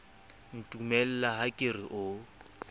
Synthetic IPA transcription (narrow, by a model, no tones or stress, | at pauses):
n̩tʼumɛl̩laɦakʼɪriʔʊ